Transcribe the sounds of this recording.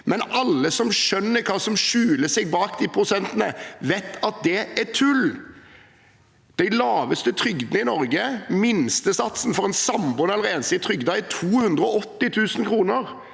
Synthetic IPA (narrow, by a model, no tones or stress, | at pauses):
mɛnʔɑlːəsɔmʃœnːəɾkʰɑːsɔmʃʉːləsɛɡbɑːkd̪ɪpʰɾʊsɛnt̪ənə̰ʋet̪ʰːɑt̪̚d̪ɛʔæt̪ʰʉl | d̪̥æɪlɑːʋəst̪ət̪ʰɾʏɡd̪nəɪnɔɾɡəmɪnst̪əsɑt̪sn̩fɔɾɛnsɑmbʊnɛləʁɛːnsɪt̪ʰɾʏɡd̪ɑɛt̪ʰuːhʉnd̪ɾəɔɔt̪ːɪt̪ʰʉːsənkʰɾuːnəɾ